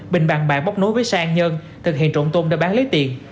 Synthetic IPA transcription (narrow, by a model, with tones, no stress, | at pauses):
ɓï˨˩ŋ̟ɓa˨˩ŋɓa̰ː˨˩ɓa˦˥k͡p̚no˨˦˥jvəː˨˦jsaː˧ʔnɲə˧nt̪ʰɨ˨k̚hḭ˧˨ənt͡ɕo˧˩nt̪o˧mɗə̰ː˧˩jɓaː˨˦˥ŋleː˨˦t̪i˨˩ən